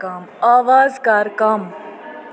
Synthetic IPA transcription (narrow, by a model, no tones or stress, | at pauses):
kaːmaːʋaːzkaːɾkaːm